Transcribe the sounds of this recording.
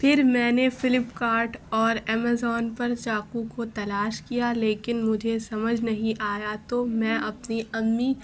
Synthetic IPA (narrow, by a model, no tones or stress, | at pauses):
pʰɪɾmɛ̃ːnefɪlɪpkaːɾʈɔːɾɛːmɛzɔːnpɐɾt͡ʃaːkũkot̪ɐlaːʃkijaleːkɪnmʊd͡ʒʱesɐməd͡ʒʱnɐɦĩʔaːjat̪oːmɛ̃ːʔɐpniɐmːi